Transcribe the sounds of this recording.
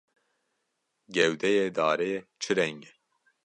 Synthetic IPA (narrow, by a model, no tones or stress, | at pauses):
ɡɛwd̪ɛjeːd̪aːɾejet͡ʃʰɨɾɛŋɡɛ